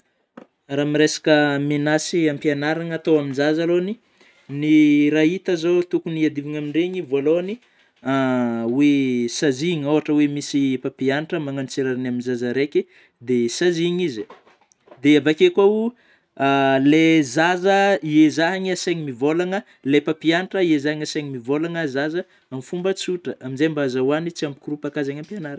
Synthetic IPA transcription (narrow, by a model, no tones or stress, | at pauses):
ɾamiɾesḁkəmenasiampianaɾaŋat̪owaminzazaloni | niɾait̪əzot̪ukuniad̪iviŋamiɳɖ͡ʐeɲivoloni | awesaziɲoɦaʈ͡ʂəwemisipapianiʈ͡ʂəmaŋant͡siɾaɾinaminzazaɾekʲi | d̪esaziɲizi | d̪eavakekwau | lezazəiezaɦaɲasaɲimivolaŋə | lepapianiʈ͡ʂəiezaaŋasaɲimivolaŋəzazə | amifumbət͡suʈ͡ʂəʔaminzejmbazawanit͡siambikɾupakazaɲampianaɾ